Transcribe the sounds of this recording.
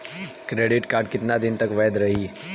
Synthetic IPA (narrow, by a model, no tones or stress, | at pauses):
kɾeːɖɪʈkaːɾɖkɪt̪nad̪ɪnt̪ɐkʋɛːd̪ɾɐɦiː